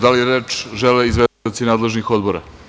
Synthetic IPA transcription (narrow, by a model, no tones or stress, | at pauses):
d̪alijeɾeːt͡ʂʒeleizʋeot̪sinaːd̪le̞ʒnixo̞d̪bo̞ɾa̰